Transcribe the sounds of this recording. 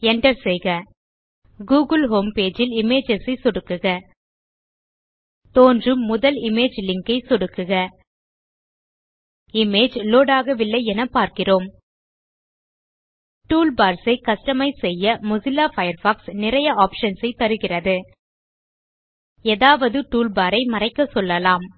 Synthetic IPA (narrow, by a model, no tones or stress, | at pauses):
ɛɳɖɐɾsɛjɣɐ | ɡuːɣɯlɦoːmpeːd͡ʒɪlɪmeːd͡ʒɐsisɔɽɯkːɯɣɐ | t̪oːndrɯmːʊðɐlɪmeːd͡ʒlɪŋkɐɪsɔɽɯkːɯɣɐ | ɪmeːd͡ʒloːɽaːɣɐʋɪlːɐɪɛnɐpaːɾkɪroːm | ʈuːlbaːɾsɐɪkɐʂʈɐmɐɪsɛjːɐmʊsɪlaːfɐjɐɾfaːksnɪrɐjɐaːpʂɐnsɐɪt̪ːɐɾɯɣɪrɐðɯ | eːðaːʋɐðɯʈuːlbaːɾɐɪmɐrɐɪkːɐsɔlːɐlaːm